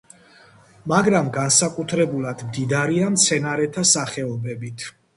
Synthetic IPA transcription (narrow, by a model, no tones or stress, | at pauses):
maɡɾamɡansakʼut̪ʰɾɛbulˠad̪̥md̪id̪aɾiamt̪sʰɛnaɾɛt̪ʰasaχɛɔbɛbit̪ʰ